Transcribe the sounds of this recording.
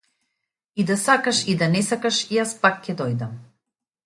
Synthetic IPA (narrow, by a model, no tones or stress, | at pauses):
id̪asakaʃid̪anɛsakaʃijaspakcɛd̪ɔjd̪am